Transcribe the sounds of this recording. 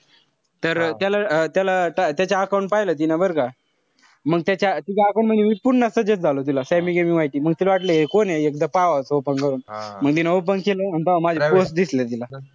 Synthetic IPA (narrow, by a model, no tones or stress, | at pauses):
t̪əɾt̪jalat̪jalaʈat̪jat͡ɕaːkaw̃ɳʈ̚pajlət̪̬inabəɾka | məɡt̪jat͡ɕat̪ikaːkaw̃ɳm̤ənjemipuɾnəsəd͡ʑət͡sd͡zʱalot̪ilasɛmiɡemiʋaiʈiːməɡ̚t̪ilaʋaʈləjekoneekd̪apaʋasopənkəɾuːnməɡt̪inaop̬ənkeləanit̪aʋamad͡ʑʱeposʈd̪islet̪ila